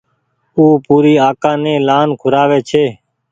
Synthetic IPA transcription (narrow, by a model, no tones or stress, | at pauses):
uːpuːɾiːaːkãːnẽːlaːnkʰʊɾaːʋeːt͡ʃʰeː